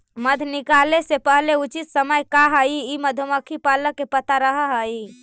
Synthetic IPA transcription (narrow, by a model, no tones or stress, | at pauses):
məd̪ʱnikalesepəɦleut͡ʃit̪səməjkaɦəiiməd̪ʱoməkʰipaləkːepət̪aɾəɦəɦəi